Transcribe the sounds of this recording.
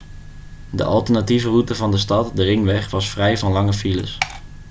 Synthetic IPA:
də̰ʔɑlˠtəɹnativərutəvɑndəstɑtdərɪŋʋɛχʋɑsfrɛjvɑnlɑŋəfilə̰s

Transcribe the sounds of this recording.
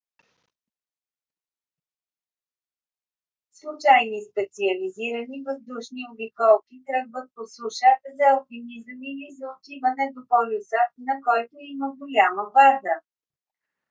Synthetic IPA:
slˠʊt͡ʃajnispɛt̪siəliziɾənivəzd̪uʃniobikɔlˠkit̪ɾəɡvət̪̚posˠuʃatzɐːlˠkimizəmilizɐʊt̪ivənɛd̪opɔlʲusənɐkɔjt̪ʊiməɡolʲaməbaɾd̪ə

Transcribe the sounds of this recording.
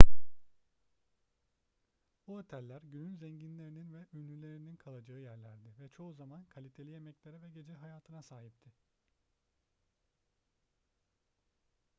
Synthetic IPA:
buot̪ʰælʲːæɾɟynynzɛɲɟinlʲe̞ɾininvɛynlylʲe̞ɾininkʰalˠad͡ʒaɯjæɾlʲæɾd̪ɪvɛt͡ʃʰo̞uzamankʰalʲit̪ʰeije̞mɛclʲe̞ɾɛvɛɟe̞d͡ʒɛɦajaːt̪ʰɯnasaːɦip̚t̪ʰɪ

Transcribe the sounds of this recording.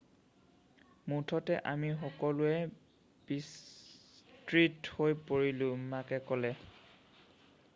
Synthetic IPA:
mutʰɔtɛʔamixɔkɔlʊɛ | bis | tɹithojpoɹilʊ̃makɛkɔlɛ

